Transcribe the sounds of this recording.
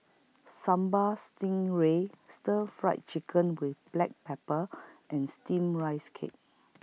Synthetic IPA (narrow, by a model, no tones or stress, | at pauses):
sãmbəstĩŋɹestəfɹa̰ɪt̚t͡ʃikʰə̃nwiθb̥lɛk̚pɛpəʔɛ̃nstĩmɹajskʰḛt̚